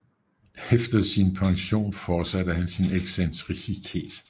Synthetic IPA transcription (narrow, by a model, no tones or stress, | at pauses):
efd̥ɐsinpʰɑ̈ŋɕo̝̰ːnfɒːsædəɦænsineɡ̥sent͡sʰʁisit͡sʰe̝̰ːd̥